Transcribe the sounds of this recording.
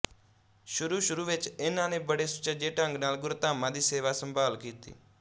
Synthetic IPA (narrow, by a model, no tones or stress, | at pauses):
ʃʊɾuːʃʊɾuːʋɪt͡ʃɪnãːnẽːbəɽeːsʊ̥t͡ʃad͡ʒeːʈãːŋɡnaːlɡʊɾt̪aːmãːd̪iːseːʋaːsə̃mbaːlkiːt̪ḭː